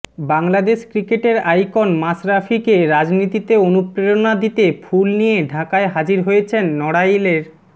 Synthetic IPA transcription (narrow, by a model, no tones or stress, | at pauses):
baŋlad̪eʃkɾikeʈeɾajkonmasɾafʰikeɾad͡ʑnit̪it̪eonupɾeɾonad̪it̪efulnijeɖʱakaeɦad͡ʑiɾɦojet͡ɕʰenːɔɽajleɾ